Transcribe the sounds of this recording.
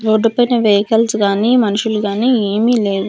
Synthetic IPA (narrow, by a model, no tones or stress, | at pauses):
ɾoːɖːupɐjnɐʋɐjkɐlsɡaːnimɐnuʂuluɡaːnieːmile̞ːʋu